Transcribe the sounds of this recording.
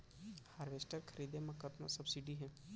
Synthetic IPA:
haːɾʋeːsʈəɾkʰɐɾiːd̪emɐ̃kət̪na̰sɐbsiɖiɦɛ̃ː

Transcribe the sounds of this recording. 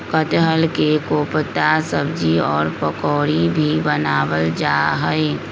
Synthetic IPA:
kət̪ɦəlkekoːpt̪asəbd͡ʒiɔːɾpəkɔːɾibʱibənaːwəld͡ʒaːɦəe

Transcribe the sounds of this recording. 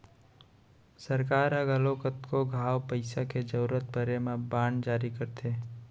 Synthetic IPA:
səɾkaːɾəɡəlokət̪koɡʱaːwpəɪsaked͡ʒəuɾət̪̚bʱəɾemãbaːɳd͡ʒaːɾikəɾt̪ʰeː

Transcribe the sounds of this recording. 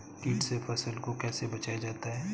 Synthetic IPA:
kiːʈsepʰɛsəlkokɛːsebɐt͡ʃaːjad͡ʒaːt̪aɦɛː

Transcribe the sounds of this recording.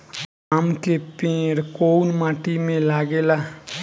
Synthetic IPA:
aːmkepẽːɽkoːnmaːʈimẽlaːɡeːlaː

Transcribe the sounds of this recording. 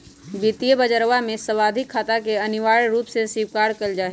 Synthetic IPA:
bit̪ijəbəd͡ʒəɾʋamẽsəwaːd̪ʱɪkʰːaːt̪akeənɪʋaːɾɾuːpsesiʋkaːɾkəld͡ʒaːɦɛ

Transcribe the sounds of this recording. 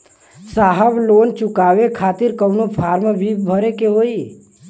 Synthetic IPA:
saɦəblont͡ʃʊkaʋekʰat̪iɾkəʊnopʰaːɾmbʱibʱəɾekeɦoi

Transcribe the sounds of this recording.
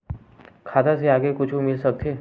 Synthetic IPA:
kʰaːd̪aseaːɡekʊt͡ʃʰumɪlsɐk̚t̪ʰeː

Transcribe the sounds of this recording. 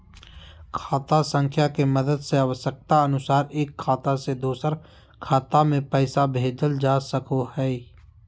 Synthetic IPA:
kʰaːt̪asə̃ŋkʰjakemɐd̪əd̪seɐʋsək̚t̪aɐnʊsaːɾeːkʰːaːt̪ased̪oːsəɾ | kʰaːt̪amẽpɛːsabʱeːd͡ʒəld͡ʒaːsəkʰohɛː

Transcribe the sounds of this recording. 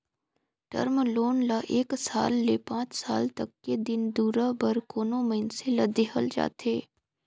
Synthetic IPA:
ʈə̰ɾmloːnlaʔeːksa̰ːlːepãːt͡ʃsaːlt̪ɐkːed̪ɪnd̪uːɾabɐɾkoːnoməɪnselɐd̪eɦə̰ld͡ʒa̰ːt̪eː

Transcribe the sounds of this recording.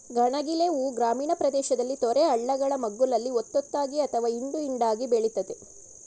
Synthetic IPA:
ɡɐɳɐɡileuːɡɾaːmiːɳɐpɾɐd̪ɛːʃɐd̪ɐlːit̪ɔɾeɐɭːɐɡɐɭɐmɐɡːulɐlːiot̪ːot̪ːaːɡiɐt̪ʰɐʋaːind̪uiɳɖaːɡibeɭit̪ːɐt̪e

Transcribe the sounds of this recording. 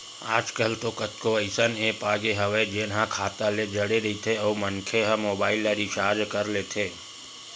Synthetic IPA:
aːd͡ʒkəlt̪okɐt̪koəɪsəneːpaːɡeɦɐʋed͡ʒeːnɦãkʰaːt̪aled͡ʒɐɽeɾɐit̪ʰeɔːmənkʰeɦəmoːbaːɪlːaɾiʃaːd͡ʒkəɾleːt̪ʰeː

